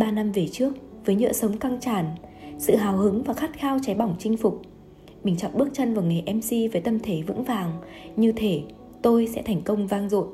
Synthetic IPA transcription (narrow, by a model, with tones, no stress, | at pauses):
ɓaː˧na˧mve˨˩t͡ɕɨ˦˥ək̚ | vəː˨˦jɲɨ̰ː˧˨sə˨˦wŋ͡mka˧ŋt͡ɕaː˧˩nsɨ̰˧˨ɦaː˨˩whɨ˨˦ŋvaː˨˩xa˦˥t̚xaː˧wt͡ɕa˨˦jɓɔ˧˩wŋ͡mt͡ɕï˧ŋ̟fʊ˨˩k͡p̚ | mï˨˩ŋ̟t͡ɕɔ̰˧˨wŋ͡mɓɨ˦˥ək̚t͡ɕə˧nvaː˨˩wŋa˨˩jʔɛ˧msi˧vəː˨˦jt̪ə˧mt̪ʰe˧˩vɨ̰˧˥ŋvaː˨˩ŋ | ɲɨ˧t̪ʰe˧˩ | t̪o˧jsɛ̰˧˥t̪ʰɛ˨˩jŋ̟kə˧wŋ͡mvaː˧ŋzo̰˧˨n